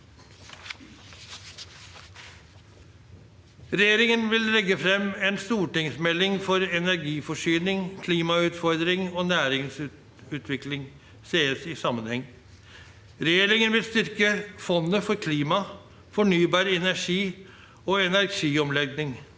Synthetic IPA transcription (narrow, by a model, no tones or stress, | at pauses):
ɾɛjeːɾɪŋənʋɪllɛɡːəfɾɛmːɛːnst̪uːʈɪŋsmɛlɪŋfɔɾɛnæɾɡiːfɔʂyːnɪŋkʰliːmɑʉːt̪fɔɾd̪ɾɪŋoːnæːɾɪŋs | ʉːt̪ʰʋɪklɪŋ | seːəsɪsɑmːənhɛŋː | ɾɛjeːɾɪŋənʋɪlst̪ʏɾkəfɔnːəfɔɾkʰliːmɑ | fɔɳyːbɑːɾɛnæʂiː | oːɛnæɾʂiːɔmlɛɡnɪŋ